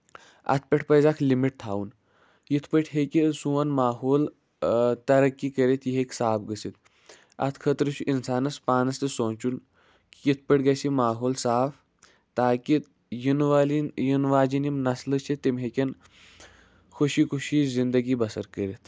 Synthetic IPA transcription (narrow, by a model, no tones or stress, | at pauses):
ɐ̰t̪̚ʰpʲeʈʰpəzakʰlimiʈ̚t̪ʰaːun | jit̪ʰpəʈʰɦekisuʋɐnmaːɦoːl | t̪ɐɾɐkːikəɾit̪ʰjiɦekʲsaːpɡəsit̪̚ | ɐ̰t̪ʰkʰət̪ɾɨt͡ʃʰuʔinsaːnɐspaːnɐst̪ɨsõːt͡ʃun | kʲijit̪ʰpəʈɡɐsimaːɦoːlsaːf | t̪aːkit̪ | jinʋlijinʋaːd͡ʒinimnɐslɨt͡ʃʰit̪ːimɦekʲɐn | kʰuʃikʰuʃiːzind̪əɡibɐsɐɾkəɾit̪ʰ